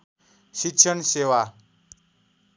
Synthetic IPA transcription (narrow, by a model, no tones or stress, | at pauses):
sikɕʰənseʋa